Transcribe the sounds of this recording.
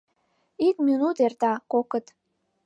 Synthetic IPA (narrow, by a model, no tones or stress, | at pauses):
ikminut̪ert̪ɑkokət̪